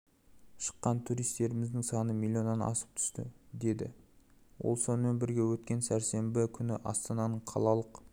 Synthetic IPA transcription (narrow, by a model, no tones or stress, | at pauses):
ʃə̥qːɑnt̪ʰuɾijst̪e̞ɾɪmɪzd̪ɪŋsɑnəmilʲːio̞nːɑnɑ̰sə̥p̚t̪ʰʏ̥st̪ɪ̰d̪e̞d̪ɪ̰wo̰lˠso̞nəme̞nbɪɾɡʲe̞wɵt̪̚kʲe̞nsæɾse̞mbɪkʲʰʏnɪʔɑ̰st̪ɑnɑnəɴqʰɑ̰lˠɑlˠəq